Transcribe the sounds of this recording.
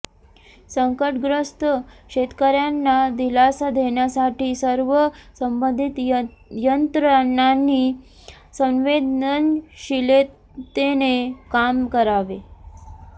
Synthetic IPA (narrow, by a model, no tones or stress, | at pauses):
səŋkəʈɡɾəst̪əkɕet̪kəɾjanːad̪ilasad̪ʱeɳjasaʈiːsəɾʋəsəmbənd̪ʱit̪jənt̪ɾənːanːiː | sə̃nʋed̪nənɕile | t̪enekamkəɾaʋe